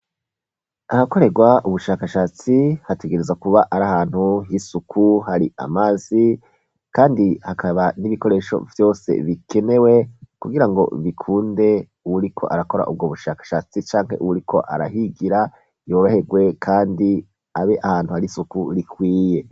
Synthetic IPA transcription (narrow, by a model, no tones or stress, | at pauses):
ahako̞ɾe̞ɡwaʔuβuʃaːkaʃat͡sihate̞ɡe̞ɾe̞zakuβaʔaɾahaːn̥huɦisukʰuhaɾiʔa̰mazi | kaːndihakʰaβaniβiko̞ɾe̞ːʃo̞̰vjo̞ːse̞̰βikʰe̞ne̞we̞kuɡiɾaŋɡo̞̰βikʰuːnde̞ | uwuɾikʰo̞̰ʔaɾako̞ɾa̰ʔub̚ɡoβuʃakḁʃat͡sit͡ʃaːŋhe̞̰ʔuwuɾikʰo̞ʔa̰ɾa̰ɦiɡiɾa | jo̞ːɾohe̞ɡwe̞kʰaːndi | aβeʔahaːn̥huhaɾisukuɾikwiːje